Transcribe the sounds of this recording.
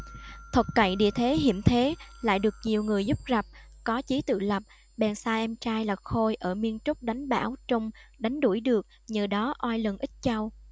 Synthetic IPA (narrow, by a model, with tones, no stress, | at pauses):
t̪ʰə˨˩t̚kə̰˧˩jɗḭ˧˨ət̪ʰe˨˦ɦḭ˧˩əmt̪ʰe˨˦la̰ː˧˨jɗɨ˨˩ək̚ɲi˨˩əwŋɨ˨˩əjzʊ˦˥p̚za˨˩p̚kɔ˨˦t͡ɕi˨˦t̪ɨ̰˧˨lə˨˩p̚ | ɓɛ˨˩nsaː˧ʔɛ˧mt͡ɕaː˧jlaː˨˩xo˧jʔəː˧˩mi˧ənt͡ɕʊ˦˥k͡p̚ɗa˨˦jŋ̟ɓa̰ː˧˩wt͡ɕə˧ŋ͡mɗa˨˦jŋ̟ɗu˧˩jɗɨ˨˩ək̚ɲəː˨˩ɗɔ˨˦ʔwaː˧jlə˨˩nʔï˦˥t̟̚t͡ɕa˧w